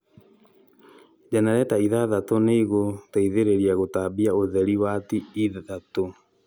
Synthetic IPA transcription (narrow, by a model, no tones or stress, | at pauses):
d͡ʒanaɾɛtaiðaðatoneiɣotaiðeɾeɾiaɣotabiaoðɛɾiwatiːððato